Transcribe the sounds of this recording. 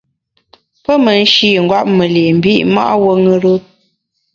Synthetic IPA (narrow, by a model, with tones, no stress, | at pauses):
pə˦mə˨n̩˦ʃi˦˨ŋ̩˨ɡwa˦p̚mə˨le˨m̩˨bi˦˨ʔma̰˦ʔwə˦ŋɨ˦ɾə˦